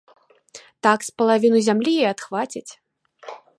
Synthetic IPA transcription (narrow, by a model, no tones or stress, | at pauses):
t̪akspɐlˠavʲinuzʲamlʲijejat̪xvat͡sʲit͡sʲ